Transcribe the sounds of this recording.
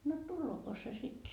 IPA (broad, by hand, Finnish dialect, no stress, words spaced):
no tulːoːko se sit